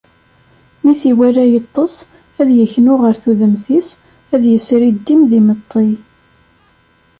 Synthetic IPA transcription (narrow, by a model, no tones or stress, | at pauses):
miθiwæɾæjət̪ˤːəs | æðjəçnʊʁəɾθuðəmθis | æðjəsɾid̪ːimðimət̪ˤːi